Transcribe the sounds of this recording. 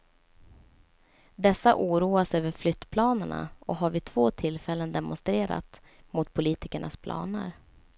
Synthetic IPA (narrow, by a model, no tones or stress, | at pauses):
d̪ɛsːaʔuːɾuːasøːvəɾflʏt̪ːpʰlɑːnəɳa̰ɔɦaɾvɪt̪ʰv̥oːt̪ʰɪlfɛlːənd̪ɛmʊnst̪ɾeːɾa̰t̪ | mʊt̪pʰʊliːt̪ɪkəɳʔa̰spʰlɑ̰ːnə̰ɾ